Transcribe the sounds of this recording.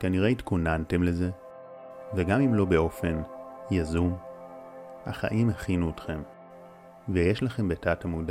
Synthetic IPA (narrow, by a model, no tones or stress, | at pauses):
kaniʁe̞itkunante̞mle̞ze̞ | veɡamimlo̞be̞o̞fe̞njazum | ha̰χa̰ʔimaχinuetχe̞m | vejeʃlaχe̞mbetathamuɡda